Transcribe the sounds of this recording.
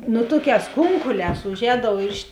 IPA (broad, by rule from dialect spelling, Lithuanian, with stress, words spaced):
ˈnʊ ˈtuɔkʲɛːs ˈkʊŋkʊlʲɛːs ʊˈʒʲɛːdɐʊ ɪr ɪʃ